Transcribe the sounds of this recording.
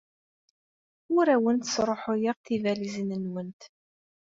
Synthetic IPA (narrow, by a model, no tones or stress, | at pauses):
ʊɾæwənt̪ə̥sɾˤoħʊjiʁθivælizənənwənt̪